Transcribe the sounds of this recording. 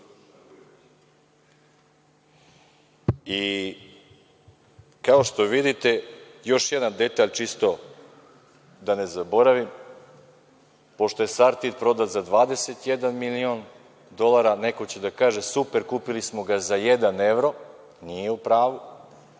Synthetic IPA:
i | kao̞ʃt̪o̞ʋid̪it̪e̞jo̞ʃjed̪and̪e̞t̪aʎt͡ʃist̪o̞ | d̪ane̞zabo̞ɾaʋim | po̞ʃt̪o̞je̞saɾt̪it̪pɾo̞d̪at̪zad̪ʋaːd̪e̞se̞t̪jed̪anmilio̞n | d̪o̞lˠaɾane̞ko̞t͡ɕed̪akaːʒe̞supe̞ɾkuːpilismo̞ɡazajed̪ane̞ʋɾo̞ | nijeupɾaːʋu

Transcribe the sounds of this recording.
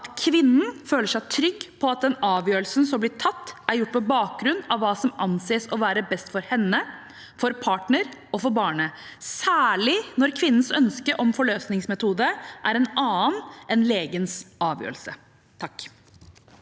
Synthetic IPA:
ʔɑt̪kʰʋɪnːn̩føːləʂæɪt̪ʰɾʏɡːpʰɔɑt̪̚d̪ɛnɑːʋjøːɾəl̩snsɔmblɪːʈʰɑt̪ːʔæɾjʊʈ̚ːpʰɔbɑːk̚ɡɾʉnd̪ɑʋːɑːsɔmɑnseːəsɔʋæːɾəbɛst̪fɔɾhɛnːə | fɔɾpʰɑːʈɳəɾɔfɔɾbɑːɳəsæːɭɪnɔɾkʰʋɪnːn̩sœnskəʔɔmfɔɭøːsnɪŋsmɛt̪ʰuːd̪əʔæɾɛnɑːənɛnleːɡənsɑːʋjø̰ːɾəl̩sə | t̪ʰɑkː

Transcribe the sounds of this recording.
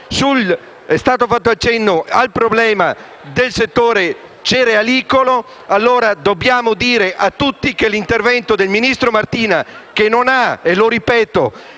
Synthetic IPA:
sul | ɛst̪aːt̪ofat̪ːoat͡ʃːɛnːoalpɾoblɛːma | d̪elset̪ːoːɾe | t͡ʃeɾealiːkolo | alːoːɾad̪objaːmod̪iːɾeʔat̪ːut̪ːikelint̪ervɛnt̪od̪elminist̪ɾomart̪iːnak̟enːonaeloɾipɛːt̪o

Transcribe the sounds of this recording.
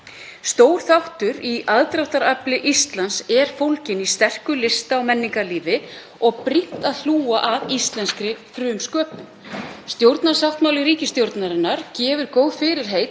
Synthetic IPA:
st̪oːwɾ̥θawht̪ʏɾiaðt̪ɾawht̪aɾaplɪʔist̪lansɛɾ̥fowlcɪnist̪ɛr̥kʏlɪst̪aːwmɛnːiŋkaliːvɪ | ɔɣpɾiht̪aðθluːaʔavist̪lɛnskɾɪfɾʏːmskœːpʏmst̪jowɾt̪naɾ̥saft̪maːwlɪɾiːcɪst̪jowɾt̪naɾɪnːaɾ̥cɛːvʏɾkoːwðfɪɾɪɾ̥ɦeːjt̪

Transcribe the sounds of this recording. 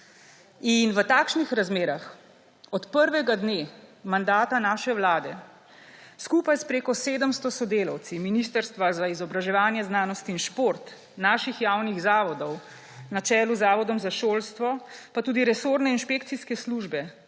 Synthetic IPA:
inʋət̪aːkʃnixɾazmeːɾax | ɔt̪pəɾʋɛɡad̪neːmand̪aːt̪anaːʃɛwlaːd̪ɛ | skuːpajspɾeːkɔseːd̪əmst̪ɔsɔd̪eːla̰wt̪siminist̪əɾst̪ʋazaizɔbɾaʒɛʋaːnjɛznaːnɔst̪iinʃpoɾt̪ | naːʃixjaːwniɣzaːʋɔd̪ɔw | nat͡ʃɛːluzaːʋɔd̪ɔmzaʃoːlst̪ʋɔpat̪uːd̪iɾɛsoːɾnɛinʃpeːkt̪siskɛsluʒbɛ

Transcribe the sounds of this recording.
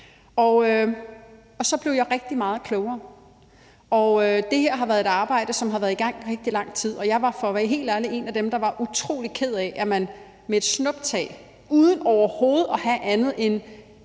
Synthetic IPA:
ɒø | ɒ̽sɒ̽b̥le̝ʊjɑɪʁɛɡ̥̚d̥imɑ̈ːð̞̩ˠkʰlɔʊɐː | ɒød̥e̝heɐ̰ɦɑʋæɐðˠe̝dɑ̈ːb̥ɑ̈ɪ̰d̥əsɒ̽mɦɑʋæːɐðˠiɡ̥ɑ̈ŋ̰ʁeɡ̥̚d̥ilɑ̈ŋ̰t͡sʰið̰ˠɒ̽jɑ̈ɪʋɑ̈fɒ̽ʋæɦe̝̰ːld̥æləe̝næd̥emd̥ɑ̈ʋɑ̈ʔut͡sʰʁo̝̰ːli̥kʰe̝ð̞̰ˠɛʔæmæn | meed̥snɔ̽b̥t͡sʰɛ̰ː | uːðˠən̩ɒʊɐho̝ːð̞̩ˠɒ̽hæʔænð̞̩ˠe̝n

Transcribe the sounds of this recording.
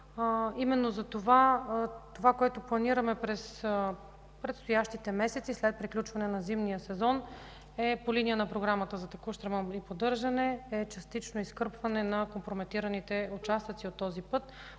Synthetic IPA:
imɛnːozɐt̪ovat̪ovakoɛt̪oplˠɐniɾəmɛpɾɛs | pɾɛt̪st̪ojaʃt̪it̪ɛmɛsɛt̪sislɛt̪̚pɾiklʲut͡ʃvɐnɛnɐzimnijəsɛzɔn | ɛpolinijənɐpɾoɡɾamət̪əzɐt̪ɛkuʃt̪ɾəməmipod̪ɤɾʒɐnɛɛt͡ʃɐst̪it͡ʃnoiskɤɾpvɐnɛnɐkompɾomɛt̪iɾɐnit̪ɛut͡ʃast̪it̪siot̪ːɔzipɤt̪

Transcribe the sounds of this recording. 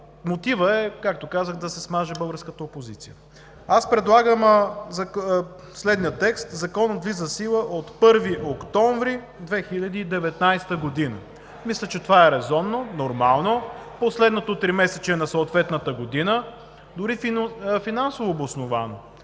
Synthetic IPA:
mot̪ivəɛkak̚t̪okazəxd̪ɐsɛsmaʒɛbɤlˠɡəɾskət̪əopozit̪sijə | aspɾɛd̪lˠaɡəm | slɛd̪nijət̪ɛkst̪zɐkɔnəd̪vizɐsilˠəʔot̪pɤɾviʔokt̪ɔɱvɾi | d̪vɛxilʲɐd̪iːd̪ɛvɛt̪najst̪əɡod̪inə | mislʲət͡ʃɛt̪ovaɛɾɛzɔnːonoɾmalˠnoposlɛd̪not̪ot̪ɾimɛsɛt͡ʃɛnɐsoːt̪vɛt̪nət̪əɡod̪inə | d̪ʊɾiffinansovoːbosnova̰no

